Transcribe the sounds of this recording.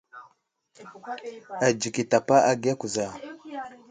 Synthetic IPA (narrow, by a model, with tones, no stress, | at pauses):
a˨d͡ʒi˨ki˨ta˨pa˦ʔa˦ɡi˦a˦ku˨za˨